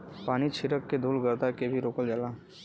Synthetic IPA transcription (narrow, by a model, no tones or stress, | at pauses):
paːnit͡ʃʰɪɾəkːed̪ʱuːlɡəɾd̪akebʱiɾoːkəld͡ʒəla